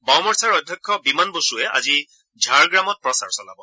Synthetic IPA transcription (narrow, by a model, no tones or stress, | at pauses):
bɔmɔɹsaɹɔdʱjɔkʰːɔbimanbosuɛʔa̰zi | d͡ʒʱaɹɡɹamɔt̚pɹɔsa̰ɹsɔla̰bɔ